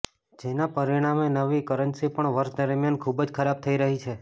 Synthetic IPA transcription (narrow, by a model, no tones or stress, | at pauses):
d͡ʒenapəɾiɽ̃amenəʋikəɾənsipəɳʋəɾʃd̪əɾmjankʰubd͡ʒkʰəɾab̚t̪ʰəiɾəɦit͡ʃʰe